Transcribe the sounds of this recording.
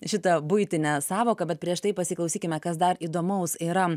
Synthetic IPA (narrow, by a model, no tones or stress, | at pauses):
ʃʲɪt̪ɐbʊɪt̪ʲɪnʲɛsɑːʋoːkɐbʲɛt̪̚pʲɾʲiɛʃt̪ɐɪpɐsʲɪklˠɐʊsʲiːkʲɪmʲɛkɐsd̪ɐɾiːd̪oːmɐʊsiːɾɐ